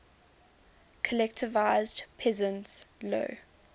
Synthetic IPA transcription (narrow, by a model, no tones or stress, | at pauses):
kʰəlɛk̚tʰɪvaɪzdpʰɛzə̃ntslo̰ː